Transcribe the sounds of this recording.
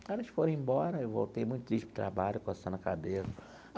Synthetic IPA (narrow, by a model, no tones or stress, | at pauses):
aɾɐʃfoɾẽĩbɔɾɐewvo̰wt̪ejmũj̃t̪ʊt̪ɾiʃt͡ʃpɾʊt̪ɾa̰baʎʊkosɐ̃nɐkabesɐ